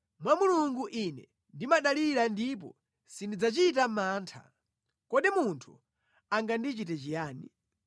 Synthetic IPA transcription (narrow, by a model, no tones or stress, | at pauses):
mwamuluŋɡuʔinɛ | ndimaɗaliɾandip̬ɔ̰ | sindid͡zat͡ʃit̬amaːntʰa̰ | kɔɗimuntʰu | aŋɡandit͡ʃitɛt͡ʃijaːni